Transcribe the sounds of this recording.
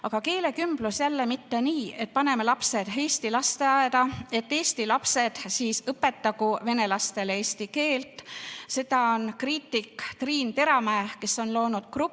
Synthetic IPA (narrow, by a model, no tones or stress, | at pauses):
ɑɡ̥ɑke̞ːle̞kymb̥lusjælːemit̪ːe̞niːe̞t̪̚pɑne̞melɑpse̞d̪̥e̞ːst̪ilɑst̪e̞ɑed̪̥ɑe̞t̪ːe̞ːst̪ilɑpse̞d̪̥siːsɤpːe̞t̪ːˑɑɡuve̞ne̞lɑst̪e̞leːst̪ike̞ːlt̪ˑse̞d̪̥ɑo̞nkriːt̪ːˑikːt̪riːnt̪e̞ɾɑmæːke̞so̞nlo̞ːnud̪̥kru